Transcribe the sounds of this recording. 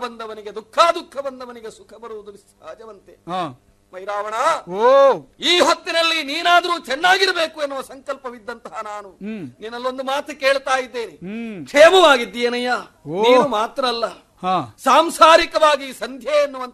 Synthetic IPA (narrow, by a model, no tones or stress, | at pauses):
bɐnd̪ʱɐʋɐniɡe̞d̪ukʰːaːd̪ukʰːɐbɐnd̪ʱɐʋɐniɡe̞sukʰɐbɐɾuʋud̪uʋis | a̰ːd͡ʒɐʋɐnt̪ea | mɐjɾaːʋɐɳɐːoiːɦɐt̪ːinɐlːiniːnaːd̪ɐɾuːt͡ʃɛnːaːɡiɾɐbe̞ːkuenːuʋɐsɐŋkɐlpɐʋid̪ːɐnt̪ɐɦɐnaːnuninːɐlːo̞nd̪umaːt̪ʰɐke̞ːɭt̪aːjid̪ːeːnikʂeːmɐʋaːɡid̪ːijɐnɐja | ninumaːt̪ɾɐːlːɐ | haːsaːmsaːɾikɐʋaːɡisɐnd̪ʱjeːnːuʋɐnt̪